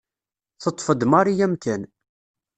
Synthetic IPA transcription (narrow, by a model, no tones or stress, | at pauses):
θət̪ˤːfəd̪mɑɾijæmkæn